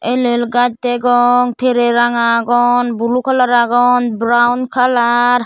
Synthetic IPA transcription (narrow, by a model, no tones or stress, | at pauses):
elelɡad͡ʒ̚t̪ɛɡɔŋt̪ʰeɾeɾaŋaɡɔnbulukʰalaɾaɡɔnbɾawndkʰalaɾ